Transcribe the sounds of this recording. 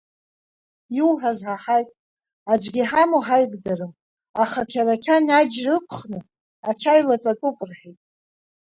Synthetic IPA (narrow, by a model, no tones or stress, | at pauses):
juwħazħaħajtʼ | ad͡ʒʷɡʲiħamoħajɡʼd͡zarɨm | aχakʲʰaɾakʲʰanad͡ʒrɨpʷʰχnɨ | at͡ʃʰajlat͡sʼatʼupʼrħitʼ